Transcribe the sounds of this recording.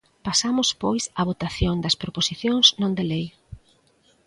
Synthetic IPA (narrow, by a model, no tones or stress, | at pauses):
pasamʊspojsɐβ̞ot̪aθjoŋd̪ɐspɾoposiθjõŋsnõnd̪elej